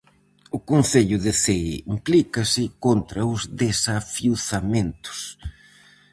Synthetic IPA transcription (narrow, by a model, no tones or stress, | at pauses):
ʊkonθeʎʊðeθeimplikɐsɪkont̪ɾɐʊzðesafiuθamẽnt̪ʊ̥s